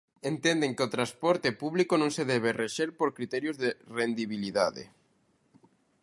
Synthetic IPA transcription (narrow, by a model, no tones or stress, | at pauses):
ent̪end̪eŋkeot̪ɾaspɔɾt̪epuβlikonõŋseðɛβ̞ereʃeɾpoɾkɾit̪ɛɾjozðerend̪iβiliðaðḛ